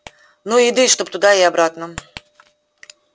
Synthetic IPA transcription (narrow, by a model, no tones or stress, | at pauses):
nuid̪ɨʂt̪op̚t̪ʊd̪aiabɾat̪nə